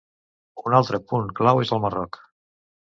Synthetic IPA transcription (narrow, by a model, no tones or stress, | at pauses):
unalˠt̪ɾəpuŋklawezəlˠmərɔk